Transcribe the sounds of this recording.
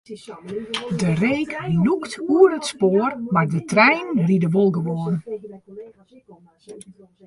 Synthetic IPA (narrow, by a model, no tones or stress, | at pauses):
dəreːkluktuərətspoːərmardətrɛjnridəʋolˠɡəʋoːrn